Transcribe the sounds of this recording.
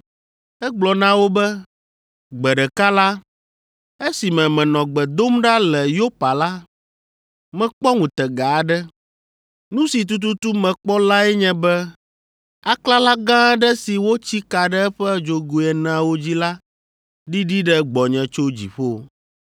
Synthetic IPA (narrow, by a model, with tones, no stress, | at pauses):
ɛ˦ɡ͡blɔ˨nã˦wo˦bɛ˦ | ɡ͡bɛ˨ɖɛ˨ka˦la˦ | e˦si˨mɛ̃˨mɛ̃˨nɔ̃˨ɡ͡bɛ˨d̪o˦mɖa˦lɛ˨jo˦pa˨la˦ | mɛ̃˨k͡pɔ˦ŋũ˨t̪ɛ˨ɡa˨ɖɛ˦ | nũ˦si˨t̪̬u˦t̪̬u˦t̪u˦mɛ̃˨k͡pɔ˦la˦ɛ˦ɲɛ̃˦bɛ˦ | a˦kla˦la˦ɡã˦ɖɛ˦si˨wo˦t͡ɕi˦ka˨ɖɛ˦ɛ˦ɸɛ˦d͡ʒo˨ɡu˨ɛ˨nã˨˦wo˦d͡ʑi˦la˦ | ɖi˦ɖi˦ɖɛ˦ɡ͡bɔ˨ɲɛ̃˨t͡ʃo˦d͡ʑḭ˨ɸo˦